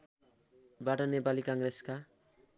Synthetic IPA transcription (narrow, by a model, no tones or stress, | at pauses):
baʈʌnepalikaŋreska